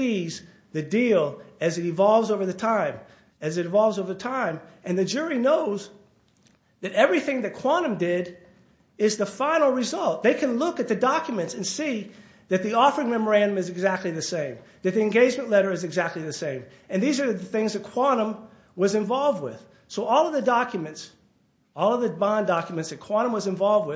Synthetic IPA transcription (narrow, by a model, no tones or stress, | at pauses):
iz | ðɨdilˠɨzɨɾɨ̃vɑlˠvzoʊvə˞ðɨtʰãɪ̃m | ɨzɨɾɨ̃ɱvɑlˠvzoʊvə˞ðɨtʰãɪ̃mɨ̃nðɨd͡ʒʊɹinoʊz | ðɨɾɛvɹiθɪ̃ŋðɨt̚kʰw̥ɑnɨ̃mdɪɾ | ɪzðəfãɪ̃nl̩ˠɹɨzʌlˠt̚ðeɪkʰɨ̃nlʊkɨt̪̚ðɨdɑkjmɨ̃ntsɨ̃nsi | ðɨt̪̚ðiɔfə˞ɪ̃ŋmɛmə˞æ̃ndə̃mɨzɨɡzæk̚tˡliðɨsẽɪ̃mðɨt̪̚ðiɨ̃nɡeɪd͡ʒmɨ̃nʔˡlɛɾə˞ɨzɨɡzæk̚tˡliðɨsẽɪ̃m | ɨ̃nðizə˞ðɨθɪ̃ŋzðɨt̚kʰw̥ɑnə̃m | wʌzɨ̃ɱvɑlˠvd̚wɪð̥ | soʊʔɔlˠʌvðɨdɑkjɨmɨ̃nts | ɔlˠʌvðɨbɑ̃ndɑkjɨmɨ̃ntsðɨt̚kʰw̥ɑɾ̃ə̃mwʌzɨ̃ɱvɑlˠvd̚wɪ